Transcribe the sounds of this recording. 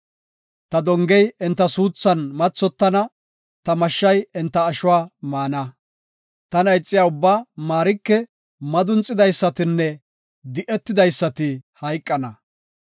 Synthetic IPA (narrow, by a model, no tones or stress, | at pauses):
t̪ɐd̪ɔŋɡɛjɪnt̪ːɐsuːt͡sːɐnmɐt͡sːɔt̪ːɐnɐ | t̪ɐmɐʃːɐjɪnt̪ːɐːʃʊwaːmaːnɐ | t̪ɐnɐjt͡sʼːɪjaːʊbːaːmaːɾɪkːɛ | mɐd̪ʊnt͡sʼːɪd̪ɐjsːɐt̪ɪnːɛ | d̪ɪʔɛt̪ːɪd̪ɐjsːɐt̪ɪhɐjkʼːɐnɐ